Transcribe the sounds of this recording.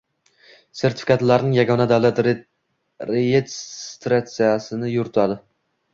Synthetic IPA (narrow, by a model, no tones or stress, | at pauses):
se̞ɾt̪ʰɪ̥fɪ̥kʰat̪laɾnɪŋjaɡɒnad̪awlˠat̪ | ɾejet̪ɾat̪sijasɪnɪjʊɾɪt̪ʰad̪ɪ